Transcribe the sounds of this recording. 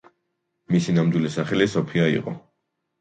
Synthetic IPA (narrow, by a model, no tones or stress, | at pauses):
misinamd̪wilisaχɛlisɔpʰiaḭqʼɔ̰